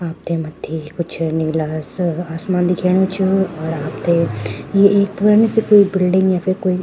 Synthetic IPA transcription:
aːp̚t̪ʰemɐt̪ʰːikʊt͡ʃʰnɪɡlaːsaːsmãːnd̪ɪkʰeːɽ̃õt͡ʃʰuɔːɾaːpt̪ʰejeʔeːk̚puːɾanesekoːibɪlɖɪ̃ŋɡjafʰɪɾkoːi

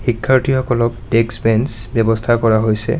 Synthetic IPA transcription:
xikʰːaɹtixɔkɔlɔkteksbɛnsbɛbɔstʰakɔɹaɦojsɛ̰

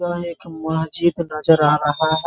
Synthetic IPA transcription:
aːɦɪkmɐɦd͡ʒiːd̪nɐzəɾaːɾɐɦaɦ

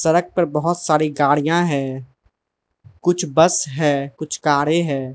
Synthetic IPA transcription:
sɐɾək̚pɐɾbɐɦʊt̪saːɾiɡaːɽijãɦɛː | kʊt͡ʃʰbɐsɦɛːkʊt͡ʃʰkaːɽeɦɛː

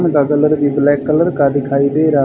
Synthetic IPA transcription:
nɡaɡələɾʋiːblɛːkːələɾkaːd̪ɪkʰaːiːd̪eːɾaː

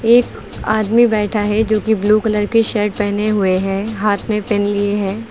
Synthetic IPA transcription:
eːk | aːd̪mibɛːʈʰaɦɛd͡ʒoːkibluːkələɾkeʃɛːɖ̚pɛɦneɦʊeɦɛ̃ːɦaːt̪ʰmẽpɪnlɪeɦɛː

